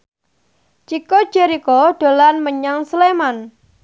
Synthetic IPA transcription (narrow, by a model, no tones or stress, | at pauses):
t͡ʃiko̥d͡ʒeɾikoɖ̥o̤lanməɲaŋsəleman